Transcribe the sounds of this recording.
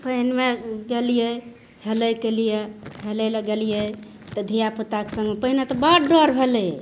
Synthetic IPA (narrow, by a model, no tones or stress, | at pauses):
pəɦinmeɡelije | heləjkelijeɦelɛləɡelije | t̪ɔd̪ʱijapət̪ake̥sə̃ŋɡmepəɦinet̪ɔbaɾɖɔɾbʱelɛ